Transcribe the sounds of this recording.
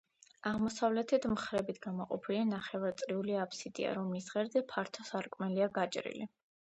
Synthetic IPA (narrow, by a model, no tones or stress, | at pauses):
aʁmɔsavlɛt̪ʰɛt̪ʰmχɾɛbit̪ʰɡamɔqʼɔpʰilianaχɛvaɾt̪sʼɾiuliapʰsid̪ḭa̰ɾɔmlisʁɛɾzɛpʰaɾt̪ʰɔsaɾkʼmɛliaɡat͡ʃʼɾḭlḭ